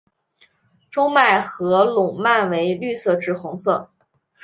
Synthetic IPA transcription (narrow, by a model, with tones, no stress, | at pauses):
ʈ͡ʂʊ˥ŋma˥˩ɪxɤ˧˥lʊ˨˩ŋma˥˩nwe˧˥ɪly˥˧sɤ˥˧ʈ͡ʂɻ̩˥˩xʊ˧˥ŋsɤ˥˩